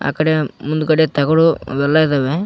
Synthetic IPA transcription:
a̰ːkɐɽemund̪ukɐɽet̪ɐɡɐɽuʋɛlːɐjid̪ɐːʋe

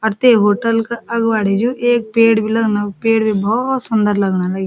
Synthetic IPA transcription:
ɔɾt̪eɦoːʈəlkaʔɐɡʋaːɽed͡ʒũʔeːk̚peːɽbʱilɐɡnapeːɽbʱibɔt̪sʊnd̪əɾlɐɡnalɐɡi

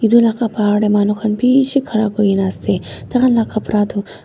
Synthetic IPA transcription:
id̪ulaːkapaːɽemaːnukʰɐnpiːʃikʰɐɾaːbojinast̪et̪ɐɣɐnlaːkapɾaːd̪u

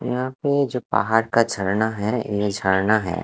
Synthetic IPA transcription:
jɐ̰ɦãped͡ʒoːpa̰ɦaːɾkad͡ʒʱɐɽnaɦɛjed͡ʒʱɐɽnaɦɛ̰ː

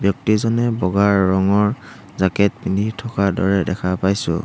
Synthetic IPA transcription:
bjɔk̚tizɔnɛbɔɡaɹːɔŋɔɹ | zakɛt̚pindʱitʰɔkadɔ̰ɹɛdɛkʰapajsʊ̰̃

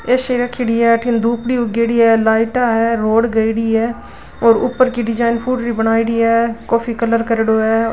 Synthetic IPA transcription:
eːʃeːɾəkʰːiɽiːɛːʈʰɪnd̪uːpɽiːʊɡeːɽiːɛːlaːɪʈaːɦɛːɾoːɽɡəiɽiːɛː | oːɾʊ̰pːəɾkiːɖɪd͡ʒaːɪnpʰuːʈɾiːbəɽ̃aːiɽiːɛːkoːpʰiːkələɾkəɾɽoːɛː

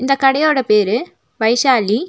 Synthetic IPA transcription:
ind̪ɐkɐɽɐjoːɽepeːɾɨ | ʋɐjɕaːli

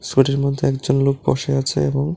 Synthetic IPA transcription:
suʈeɾmod̪ʱːeɛkd͡ʑonlok̚bɔ̰ʃeat͡ɕʰḛeboŋ

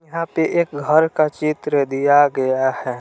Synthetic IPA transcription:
jɐɦãpeʔeːk̚ɡʱəɾkat͡ʃit̪ɾəd̪ijaɡɐjahɛː

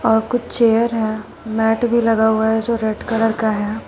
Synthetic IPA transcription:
ɔːɾkʊt͡ʃʰt͡ʃeːjəɾɦɛː | mɛːʈbʱilɐɡauaɦɛd͡ʒoːɾeɖkɐləɾkaɦɛː

